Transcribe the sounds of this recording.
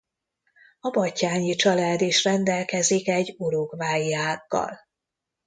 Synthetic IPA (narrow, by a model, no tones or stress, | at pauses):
ɒbɒcːaːɲit͡ʃɒlaːd̪eːʃrɛnd̪ɛlkɛzikɛɟoɾoɡvaːjaːkːɒ̰l